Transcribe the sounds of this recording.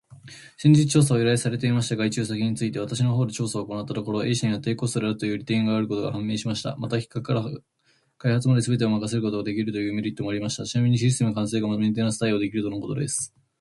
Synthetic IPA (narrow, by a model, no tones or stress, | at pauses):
ɕĩɲd͡ʑit͡sɨ̥t͡ɕo̞ːs̬aoiɾaesaɾe̞t̪e̞imaɕi̥t̪aɡait͡ɕɨːsakʲiɲ̟it͡sɨit̪e̞βat̪aɕ̬ino̞ɦo̞ːd̪et͡ɕo̞ːsaoːko̞nat̪ːat̪o̞koɾo̞ʔe̞ːɕaɲiat̪ːe̞ːko̞st̪oɾeaɾɯt̪o̞jɯ̟ːɾʲit̪ẽ̞ŋɡaaɾɯ̟kot̪o̞ɡa̰hãmːe̞ːɕimaɕi̥t̪a̰mat̪akʲi̥kːakɯkːaɾa | kaihat͡sɨmad̪e̞sɨbe̞t̪̬e̞omakase̞ɾɯko̞t̪o̞ɡad̪e̞kʲiɾɯt̪o̞jɯ̟ːme̞ɾʲit̪ːo̞mo̞aɾʲimaɕi̥t̪at͡ɕinamʲiɲ̟iɕisɨ̥t̪e̞mɯ̟kãseːɡamad̪ment̪̬e̞ːnoasɨ̥t̪aio̞d̪e̞kʲiɾɯ̟t̪o̞noko̞t̪o̞d̪e̞sɨ̥